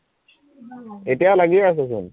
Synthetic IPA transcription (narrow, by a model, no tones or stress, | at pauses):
eʈijalaɡieas̬esṵn